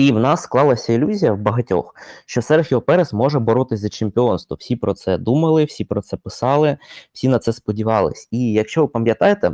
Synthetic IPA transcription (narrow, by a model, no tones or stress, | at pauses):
iwnɑsːklˠɑlˠɐsʲɐilʲuzʲijɐwbɐɦɐtʲɔ̰xʃt͡ʃɔsɛrɾxʲiɔpɛɾɛsmɔʒɛbɔɾɔt̪ɪsʲzɐt͡ʃempʲɪɔnst̪ʋʊwsʲipɾɔt̪sɛd̪umɐlˠɪwsʲipɾɔt̪sɛpɪsɑlˠɪw̥sʲinɐt̪sɛspɔdʲiʋɑlˠɪ̰sʲijɐkʃt͡ʃɔʋɪpɐmjɐt̪ɑjet̪ɛ̰